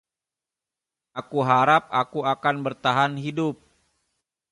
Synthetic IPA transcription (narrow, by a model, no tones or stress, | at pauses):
akuɦaɾap̚akuakanbərt̪aɦanɦidʊp̚